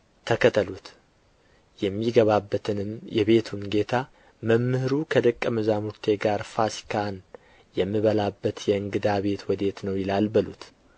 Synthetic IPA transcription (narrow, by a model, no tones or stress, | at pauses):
t̪ʰəkʰət̪ʼʰəlut̪ | jɛmːiɡəβabːət̪ʰɨnɨmjɛβe̞t̪ʰunɡe̞t̪ʰa | məmːɨhɨɾukʰəd̪əkʼːəməzamuɾt̪ʰe̞ɡaɾfasi̥kʰan | jɛmːiβəlabːət̪jɛɨŋɡɨd̪aβe̞t̪wɔd̪e̞t̪nəwjɪlalbəlṵt̪